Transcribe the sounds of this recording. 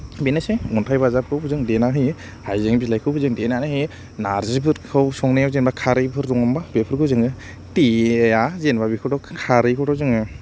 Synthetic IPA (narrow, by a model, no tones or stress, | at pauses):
binɯseŋuntʰajbazap̚kʰɯwbɯzɯŋdenaɦɯj | hajzɯŋbilajkʰɯwbɯzɯŋdenanahɯ | naɾzɯpʰɯɾkʰɯwsɔŋnajawzenbakʰaɾɯjpʰɯɾduŋambabepʰɯɾɡɯwzɯŋɯ | tiejazenbabikʰɯdɔkʰaɾɯkʰɯdɔzɯŋɯ